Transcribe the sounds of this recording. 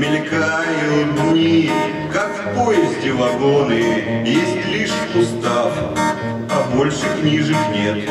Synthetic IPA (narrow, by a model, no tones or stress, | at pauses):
mʲɪlʲkajʊd̪ʲnʲi | kakfpojɪzʲdʲɪvɐɡonɨjesʲtʲlʲiʂ | ʊst̪af | ɐbo̞lʲʂɨknʲiʐɨxnʲe̞t̪